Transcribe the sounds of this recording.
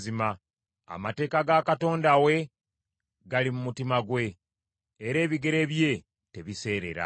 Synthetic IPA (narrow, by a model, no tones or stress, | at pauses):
zima | a̰mate̞ːkaɡakato̞ːndawe̞ | ɡalimumutimaɡwe̞ː | ɾe̞ːβiɡe̞ɾe̞βje̞ | te̞βise̞ːɾe̞̰ɾa̰